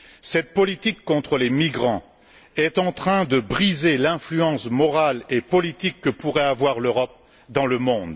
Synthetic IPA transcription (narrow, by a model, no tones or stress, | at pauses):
sɛt̪̚pɔlit̪ikːɔ̃t̪χəlemiɡʁɑ̃ | ɛt̪ɑ̃t̪χɛ̃d̪əbʁizelɛ̃flyɑ̃smɔʁalepɔlit̪ikːəpuʁɛavwaʁløʁɔp̚ | d̪ɑ̃ləmɔ̃d̪